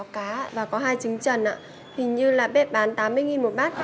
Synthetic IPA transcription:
kaː˨˦˧vaː˨˩kɔ˨˦ɦaː˧jt͡ɕɨ˨˦ŋt͡ɕə˨˩nʔa̰ː˧˨ | t̪ʰi˨˩ɲɨ˧laː˨˩ɓɛ˦˥p̚ɓaː˨˦nt̪aː˨˦mːɨ˧əjŋi˨˩nmo˨˩t̚ɓaː˦˥t̚

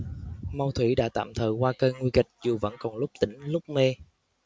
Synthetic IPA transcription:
ma˧wt̪ʰwḭ˧˦ɗa̰ː˧˥t̪a̰ː˧˨mt̪ʰəː˨˩kwaː˧kəː˧ŋwi˧kï˨˩k̟̚zu˨˩və̰˧˥nkɔ˨˩nlʊ˦˥k͡p̚t̪ï˧˥˦ŋ̟lʊ˦˥k͡p̚me˧

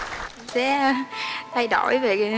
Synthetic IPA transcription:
sɛ̰˧˥ | t̪ʰa˧jɗo˧˩jve˨˩

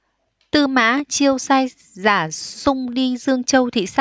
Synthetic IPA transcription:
t̪ɨ˧ma̰ː˧˥t͡ɕi˧əwsaː˧j | zaː˧˩sʊ˧ŋ͡mɗi˧zɨ˧əŋt͡ɕə˧wt̪ʰḭ˧˨sa˦˥

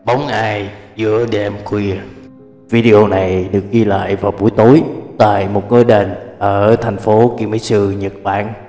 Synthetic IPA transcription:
ɓa˨˦wŋ͡mʔaː˧jzɨ̰˧˥əɗe˧ɛ˧mkʰwi˧ | vi˧ɗi˧ʔo˧na˨˩jɗɨ˨˩ək̚ɣi˧la̰ː˧˨jvaː˨˩ku˧˩əjt̪o˨˦jt̪a̰ː˧˨jmo˨˩t̚ŋə˧˦jɗe˨˩nʔəː˧˩t̪ʰɛ˨˩jŋ̟fo˨˦ki˧mi˧˦sɨ˧ɲə˨˩t̚ɓa̰ː˧˨n

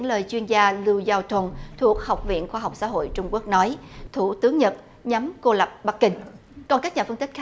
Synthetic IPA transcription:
ŋləː˨˩jt͡ɕwi˧ənzaː˧lu˧zaː˧wt̪ʰə˧˩nt̪ʰu˨˩ək̚ha˨˩wk͡p̚vḭ˧˨ənxwaː˧ɦa˨˩wk͡p̚sa̰ː˧˥ɦo̰˧˨jt͡ɕʊ˧ŋ͡mku˦˥ək̚nɔ˨˦jt̪ʰu˧˩t̪ɨ˨˦əŋɲə˨˩t̚ | ɲa˨˦mko˧la˨˩p̚ɓa˦˥k̚ːï˧˩ŋ̟ | kɔ˧nkaː˦˥k̚ɲaː˨˩fɨ˧ŋt̪i˦˥k̟̚x

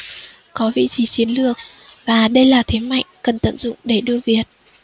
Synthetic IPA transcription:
kɔ˨˦vḭ˧˨t͡ɕi˨˦t͡ɕi˨˦ənlɨ˨˩ək̚vaː˨˩ɗə˧jlaː˨˩t̪ʰe˨˦ma̰˧˨jŋ̟kə˨˩nt̪ə̰˧˨nzʊ̰˧˨ŋ͡mɗe˧˩ɗɨ˧əvi˨˩ət̚

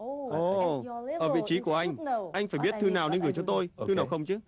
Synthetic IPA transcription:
ʔo˨˩ʔəː˧˩vḭ˧˨t͡ɕi˨˦ku˧˩əʔa˧jŋ̟ʔa˧jŋ̟faː˧˩jɓi˦˥ət̚t̪ʰɨ˧naː˨˩wne˧nɣɨ˧˩jt͡ɕɔ˧t̪o˧jt̪ʰɨ˧naː˨˩wxə˧wŋ͡mt͡ɕɨ˨˦

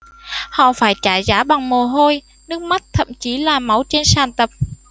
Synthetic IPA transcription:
hɔ̰˧˨faː˧˩jt͡ɕaː˧˩jzaː˧˨˦ɓa˨˩ŋmo˨˩ɦo˧j | nɨ˦˥k̚ma˦˥t̚t̪ʰə̰˧˨mt͡ɕi˨˦laː˨˩mə˨˦wt͡ɕe˧nsaː˨˩nt̪ə˨˩p̚

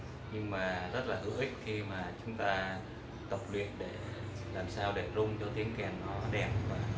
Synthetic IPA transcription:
ɲɨ˧ŋmaː˨˩zə˦˥t̚laː˨˩hɨ̰˧˥ʔï˦˥k̟̚xi˧maː˨˩t͡ɕʊ˨˦ŋ͡mt̪aː˧ | k̪ə˨˩p̚lwḭ˧˨ənɗe˧˩ | laː˨˩msaː˧wɗe˧˩zʊ˧ŋ͡mt͡ɕɔ˧t̪i˨˦əŋkɛ˨˩nːɔ˨˦ɗɛ˨˩p̚vaː˨˩

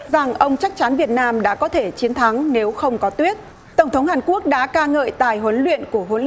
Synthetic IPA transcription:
za˨˩ŋʔə˧wŋ͡mt͡ɕa˦˥k̚t͡ɕa˨˦nvi˨˩ət̚naː˧mɗa̰ː˧˥kɔ˨˦t̪ʰe˧˩t͡ɕi˨˦ənt̪ʰa˨˦ŋne˨˦wxə˧wŋ͡mkɔ˨˦t̪wi˦˥ət̚ | t̪ə˧˩wŋ͡mt̪ə˨˦wŋ͡mhaː˨˩nku˦˥ək̚ɗa̰ː˧˥kaː˧ŋə̰ː˧˨jt̪aː˨˩jɦwə˨˦nlwḭ˧˨ənku˧˩əɦwə˨˦nl

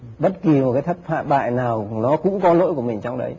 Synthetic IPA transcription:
ɓə˦˥t̚ki˨˩əmo˨˩kaː˨˦t̪ʰə˦˥t̚fa̰ː˧˨ɓa̰ː˧˨jnaː˨˩wnɔ˨˦kʊ̰˧˥ŋ͡mkɔ˨˦lo̰˧˥jku˧˩əmï˨˩ŋ̟t͡ɕɔ˧wŋ͡mɗə̰˨˦j

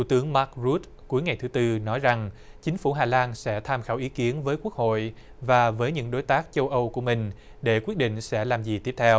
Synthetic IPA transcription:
t̪ṵ˧˨˩t̪ɨ˨˦əŋmaː˦˥k̚zu˦˥t̚ | ku˨˦əjŋa˨˩jt̪ɨ˨˦t̪ɨ˧nɔ˨˦jza˨˩ŋt͡ɕï˨˦ŋ̟fu˧˩ɦaː˨˩laː˧nsɛ̰˧˥t̪ʰaː˧mxaː˧˩wʔi˨˦ki˨˦ənvəː˨˦jku˦˥ək̚ho̰˧˨j | vaː˨˩vəː˨˦jɲɨ̰˧˥ŋɗo˨˦jt̪aː˦˥k̚t͡ɕə˧wʔə˧wku˧˩əmï˨˩ŋ̟ | ɗe˧˩kwi˦˥ət̚ɗḭ̈˧˨ŋ̟sɛ̰˧˥laː˨˩mzi˨˩t̪i˦˥əp̚t̪ʰɛ˧w

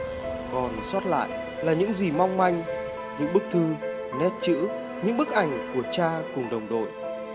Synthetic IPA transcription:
kɔ˨˩nsɔ˦˥t̚la̰ː˧˨j | laː˨˩ɲɨ̰˧˥ŋzi˨˩ma˧wŋ͡mma˧jŋ̟ | ɲɨ̰˧˥ŋɓɨ˦˥k̚t̪ʰɨ˧ | nɛ˦˥t̚t͡ɕɨ̰˧˥ə | ɲɨ̰˧˥ŋɓɨ˦˥k̚ʔa˧˩jŋ̟ku˧˩ət͡ɕaː˧kʊ˨˩ŋ͡mɗə˨˩wŋ͡mɗo̰˧˨j

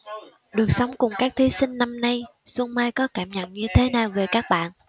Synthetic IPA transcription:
ɗɨ˨˩ək̚sə˨˦wŋ͡mkʊ˨˩ŋ͡mkaː˦˥k̚t̪ʰi˨˦sï˧ŋ̟na˧mna˧jsɨ˧əŋmaː˧jkɔ˨˦kaː˧˩mɲə̰˧˨nɲɨ˧t̪ʰe˨˦naː˨˩wve˨˩kaː˦˥k̚ɓa̰ː˧˨n

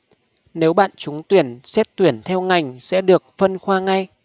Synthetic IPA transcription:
ne˨˦wɓa̰ː˧˨nt͡ɕʊ˨˦ŋ͡mt̪wi˧˩ənsɛ˦˥t̚t̪wi˧˩ənt̪ʰɛ˧wŋa˨˩jŋ̟sɛ̰˧˥ɗɨ˨˩ək̚fə˧nxwaː˧ŋa˧j

